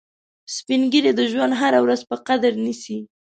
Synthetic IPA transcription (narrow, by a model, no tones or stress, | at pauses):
spinɡiɾed̪əʒwand̪ɦaɾawɾazpəqad̪əɾnisi